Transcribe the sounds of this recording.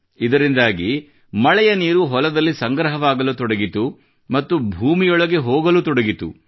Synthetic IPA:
id̪ɐɾind̪aːɡi | mɐɭɛjɐniːɾuɦɔlɐd̪ɐlːisɐŋɡɾɐɦɐʋaːɡɐlut̪ɔɽɐɡit̪u | mɐt̪ːubʱuːmijɔɭɐɡe̞ɦoːɡɐlut̪ɔɽɐɡit̪ṵ

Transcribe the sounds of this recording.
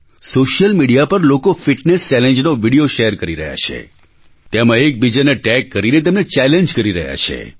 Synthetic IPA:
soʃjəlmiɽijapəɾlokofiʈnest͡ʃɛleɲd͡ʒnoʋiɽijoʃeəɾkəɾiɾə̰ɦja̰t͡ʃʰḛ | t̪emãek̚bid͡ʒaneʈɛkːəɾinet̪̬emnet͡ʃɛlẽɲd͡ʒkəɾiɾə̰ɦja̰t͡ʃʰḛ

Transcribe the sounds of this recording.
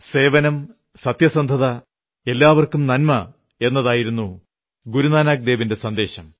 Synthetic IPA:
se̞ːʋɐnɐm | sɐt̪jɐsɐnd̪ʱɐðɐ | e̞lːaːʋɐrkumnɐnmɐ | e̞nːɐðaːjiɾunːu | ɡuɾunaːnaːk̚d̪e̞ːʋinde̞sɐnd̪e̞ːɕɐm

